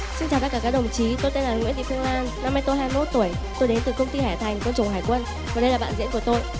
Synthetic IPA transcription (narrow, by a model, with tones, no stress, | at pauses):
si˧nt͡ɕaː˨˩wt̪a˧˥kaː˧˩kaː˧˥ɗwŋ͡mt͡ɕi˨˦t̪o˧jt̪e˧nlaː˨˩ŋḭ˧˥t̪ḭ˧˨fɨ˧əŋlaː˧nːa˧mːaː˧˦jt̪o˧˦jɦaː˧jmo˦˥t̚t̪u˧˩əj | t̪o˧jɗe˨˦nt̪ɨ˨˩kə˧ŋ͡mt̪i˧hɛ˧˩t̪ʰa˨˩jŋkwə˧nt͡ɕʊ˨˩wŋ͡mɦaː˨˩jkwə˧n | vaː˨˩ɗə˧jlaː˨˩ɓa̰ː˧˨zḭ˧˥nku˧˩ə˩t̪o˧j